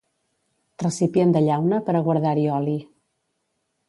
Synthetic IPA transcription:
rrəsipjend̪əʎawnəpəɾəɣwəɾðaɾiɔli

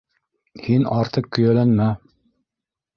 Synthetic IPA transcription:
hinɑɾt̪ɤq̚kːɵ̆jælænmæ

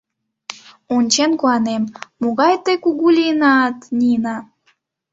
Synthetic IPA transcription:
onʲt͡ɕenkuɑnemːoɣɑjt̪əjkuɣulʲinɑt̪nʲinɑ

